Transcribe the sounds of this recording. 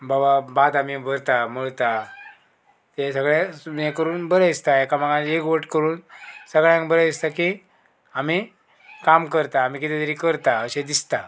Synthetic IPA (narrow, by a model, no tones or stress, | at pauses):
bababad̪amibəɾt̪aməɭt̪a | t̪esəɡɭẽẽkəɾuːnbəɾəist̪aekamaɡãekʋəʈkəɾuːnsəɡɭjãŋkbəɾəist̪aki | ami | kamkəɾt̪aːm̤iːkit̪et̪əɾiːkəɾt̪aəɕed̪ist̪a